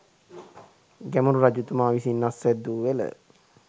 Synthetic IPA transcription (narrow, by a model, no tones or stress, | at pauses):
ɡæmuɾuɾad͡ʒut̪umaːʋisinːasːɛd̪ːuʋelə̰